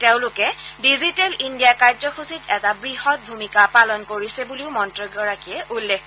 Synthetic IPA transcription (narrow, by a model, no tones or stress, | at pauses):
teʊ̃lʊkɛdizitɛlindijakaɹzɔxusitɛtabɹihɔt̚bʱumikapalɔnkoɹisɛbuliʊmɔntɹɔɡɔɹakiɛʔulːex